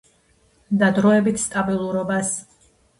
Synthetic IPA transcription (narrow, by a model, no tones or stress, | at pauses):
d̪ad̪ɾɔɛbit̪ʰst̪ʼabilˠuɾɔbas